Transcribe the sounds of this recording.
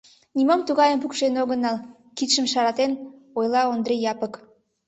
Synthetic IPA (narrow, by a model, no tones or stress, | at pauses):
nimomt̪uɣɑjəmpukʃenoɣənɑl | kit̪ʃəmʃɑɾɑt̪en | ojlɑond̪ɾejɑpək